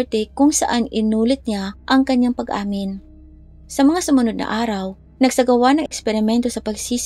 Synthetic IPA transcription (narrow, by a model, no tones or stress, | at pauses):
ɹt̪ɛkʊŋsɐʔanɪnuːlɪt̪̚ɲaʔɐŋkɐɲːaŋpɐɡʔaːmɪn | sɐmɐŋasʊmɐnod̪nɐ̰ʔaːɾɐw | nɐɡ̚sɐɡɐwanɐŋɛkspɛɾɪmɛnt̪osɐpɐɡsiːs